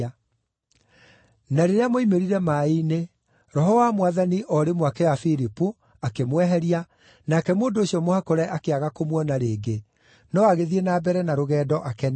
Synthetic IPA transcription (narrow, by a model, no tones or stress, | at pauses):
naɾeɾeamoimeɾiɾɛmaine | ɾɔɦɔwamwaðaniʔɔɾemwakɛafiɾipu | akemwɛɦɛɾia | nakɛmoːndoːɕiɔmohakɔɾɛʔakeaɣakomwɔnaɾeːɡe | nɔaɣeðienaːbɛɾɛnaɾoɣɛːdɔʔakɛn